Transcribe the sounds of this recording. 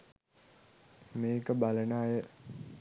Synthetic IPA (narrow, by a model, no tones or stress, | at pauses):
meːkəbalənaːjə